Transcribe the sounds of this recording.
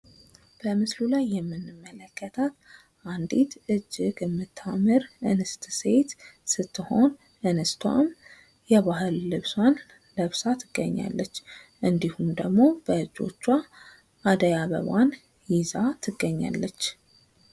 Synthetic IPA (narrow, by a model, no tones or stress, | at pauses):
b̥əmɨslulajːɛmːɨnːɨmːələkːət̪ʰat̪ | ʔand̪it̪ɨd͡ʒːɪɡmːɨt̪ʰːamɨɾʔɨnɨst̪se̞t̪sɨt̪ːɨho̞n | ʔɨnɨst̪ʰwa̰m | jɛβaɦɨlːɨβswan | lɨβsat̪ʰɨɡːəɲːa̰lːət͡ʃː | ʔɨnd̪ihumd̪əɡmo̞b̥əɨd͡ʒːo̞̰t͡ʃːwa | ʔːd̪əjaβə̰βan | jizat̪ʰɨɡːəɲːa̰lːət͡ʃː